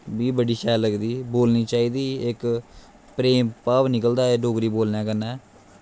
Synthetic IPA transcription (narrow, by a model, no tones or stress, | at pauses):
biːbəɖiːʃɛːləɡd̪iːboːlniːt͡ʃaːiːd̪iːɪk | pɾeːmpaːʋnɪkəld̪aːeɖoːkɾiːboːlnãːkənːɛː